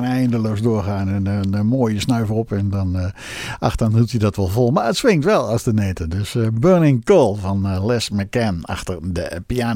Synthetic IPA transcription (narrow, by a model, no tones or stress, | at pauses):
nɛjndəlowsdʊːɹχaːnənnmoːjəsnœɥvərɔpɛndɔn | ʔɑxtəanthutjədɔtʋɔlˠvɔlˠmaːətsʋɪŋtʋɛlˠɑstənejtədøsbøːɹnɪŋkolˠvɑnlɛsməkɛnɑ̰χtərdəpiaːn